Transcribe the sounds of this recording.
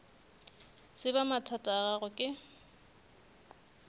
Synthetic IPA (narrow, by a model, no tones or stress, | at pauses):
sɪbamatʰatʼaɣaɣʊkʼɪ